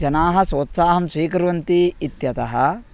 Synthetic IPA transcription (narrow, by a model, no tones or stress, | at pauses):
d͡ʒɐnaːɦɐ̆soːt̪saːɦɐmʃiːkɾʋɐnt̪iːt̪jɐt̪ɐɦɐ̆